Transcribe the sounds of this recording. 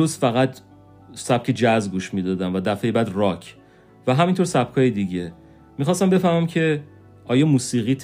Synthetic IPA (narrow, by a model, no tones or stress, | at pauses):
osfæɣæt̪ | sæb̥̚cʰed͡ʒæzɡuʃmiːd̪ɒːd̪æmvæd̪æfejebæd̪rɒcʰ | væɦæmint̪ʰoɾsæb̚kʰɒːjed̪iɟe | mixɒːst̪æmbe̞fæɾmæmcʰe̞ | ɒːjɒːmuːsiːɣiːt̪ʰ